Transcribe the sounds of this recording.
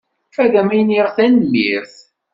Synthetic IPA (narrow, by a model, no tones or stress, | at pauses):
fæðæmæjniɾθænliɾθ